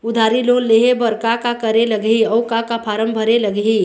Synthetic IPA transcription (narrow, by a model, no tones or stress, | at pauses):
ʊd̪ʱaːɾiloːnleːɦebɐɾkakakɐɾelɐɡɦiɔwkakapʰaːɾə̃mbʱɐɾelɐɡɦi